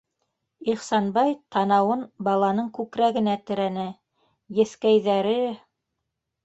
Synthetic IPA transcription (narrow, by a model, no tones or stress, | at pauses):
iχsɑnbɑjt̪ʰɑnɑwɤnbɑlˠɑnɤɴkʉkɾæɡɘ̆næt̪ɘ̆ɾænɘ | jɘ̆θkæjðæɾɘ